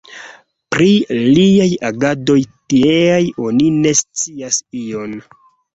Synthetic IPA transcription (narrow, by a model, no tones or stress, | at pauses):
pɾiliajaɡado̞jtieajo̞nine̞st͡siasio̞n